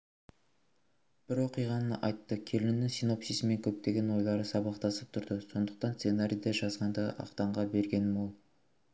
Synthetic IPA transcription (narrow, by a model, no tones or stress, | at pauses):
b̥ɪɾwo̞qijʁɑnəʔɑjt̪ːəkʲʰe̞lɪnnːɪŋsino̞psisɪme̞ŋkʲʰɵp̚t̪e̞ɡʲe̞nwo̞jlˠɑɾəsɑbɑqt̪ɑsəp̚t̪ʰʊɾd̪əso̞nd̪əq̚t̪ɑnse̞naɾʲijd̪eʒɑzʁɑnd̪ɑʔɑ̰qt̪ɑɴʁɑbe̞ɾɡʲe̞nmɑlˠ